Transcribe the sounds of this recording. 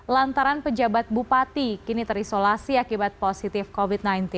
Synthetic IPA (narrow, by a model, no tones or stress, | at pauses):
lant̪aɾanpəd͡ʒabat̪̚bupat̪ikinit̪əɾisolasiakibat̪̚posit̪ɪfkovit̪̚najnt̪in